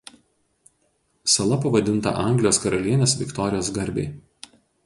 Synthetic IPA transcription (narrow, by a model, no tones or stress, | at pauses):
sɐlˠɐpɐʋɐd̪ʲɪnˑt̪ɐ̰ʔɐˑŋʲɡlʲɪjoːskɐɾɐlʲiɛnʲeːsʋʲɪ̰kt̪ɔɾʲɪjoːsɡɐɾʲbʲḛɪ